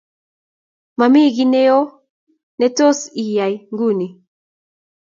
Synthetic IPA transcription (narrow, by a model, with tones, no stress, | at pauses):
ma˨mi˦ɣinɛ˦ɔ˦ | nɛ˨tɔ˦si˨ja˨jŋɡu˦ni˨